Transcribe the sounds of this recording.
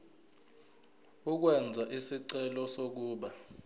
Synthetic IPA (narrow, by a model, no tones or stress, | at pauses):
uk̬wɛnd͡zʱaʔisiǀɛlɔsok̬uːɓa